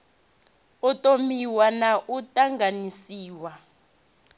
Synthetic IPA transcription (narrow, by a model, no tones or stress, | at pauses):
utʼomiwanaʔutʼaŋɡanisiːwa